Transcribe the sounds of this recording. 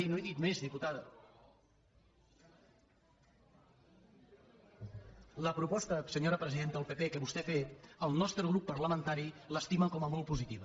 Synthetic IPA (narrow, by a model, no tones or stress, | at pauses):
inoeðit̪mezðiput̪aðə | ləpɾupɔst̪əsəɲoɾəpɾəziðent̪əəlˠpepekəβust̪ɛfet̪əlˠnɔst̪ɾəɣɾupːəɾləmənt̪aɾiləst̪iməkɔməmɔlˠpuzit̪iβ̞ə